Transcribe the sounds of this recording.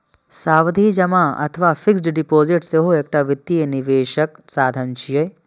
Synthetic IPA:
saːʋɐd̪ʱiːd͡ʒɐmaːɐ̰t̪ʰʋaːfiksʈɖipoːziʈseɦoeːk̚ʈaʋit̪ːijɐniʋeːʃɐksaːd̪ʱɐnt͡ʃijɐj

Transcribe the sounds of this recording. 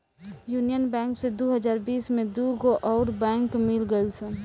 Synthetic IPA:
juːnijənbɛ̃ːŋksed̪oɦəd͡ʒaːɾbiːsmẽd̪uːɡoʔɔːɾbɛ̃ːŋkmɪlɡəɪlse

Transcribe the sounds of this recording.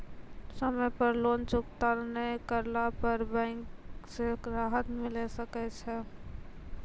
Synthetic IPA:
səməjpəɾloːnt͡ʃʊkt̪aɾnekəɾlapəɾbɛ̃ɪŋkseɾaːɦət̪mɪ̃lesəkɛt͡ʃʰɛ

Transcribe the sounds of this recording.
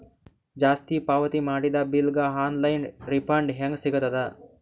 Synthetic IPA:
d͡ʒaːst̪ipaːʋɐt̪imaːɽid̪abilɡaɦaːnlɐjnɾipaːɳɖɦɐŋɡsiɡɐt̪ɐd̪a

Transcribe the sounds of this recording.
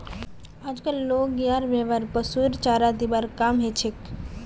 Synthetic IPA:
ad͡ʒkəloɡjaɾbeʋaɾpəsuɾt͡ʃaɾad̪ibaɾkamɦet͡ʃʰek

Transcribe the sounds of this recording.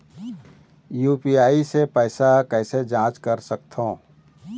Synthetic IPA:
juːpiaːisepɛːsakɛːɪsed͡ʒãːt͡ʃkəɾsək̚t̪ʰõː

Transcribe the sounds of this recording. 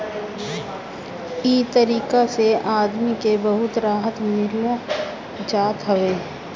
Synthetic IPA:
it̪əɾiːkaseaːd̪mikebəɦʊt̪ɾaːɦət̪mɪɾlo | d͡ʒaːt̪ɦəʋeː

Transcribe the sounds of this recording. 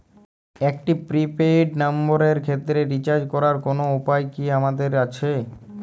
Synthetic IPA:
ekʈipɾipeʈnamboɾeɾkʰet̪ːɾeɾit͡ɕaɾd͡ʑkɔɾaɾkonoupajkiamad̪eɾat͡ɕʰe

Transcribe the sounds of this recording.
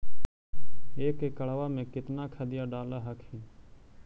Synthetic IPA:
eːkeːkəɭaʋaːmẽːkɪt̪naːkʰəd̪ɪjaːɖaːlaːɦəkʰɦiː

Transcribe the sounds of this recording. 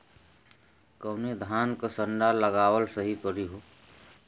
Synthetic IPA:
kəːned̪ʱaːnkasəɳɖaləɡaːʋəlsəɦipəɾiɦoː

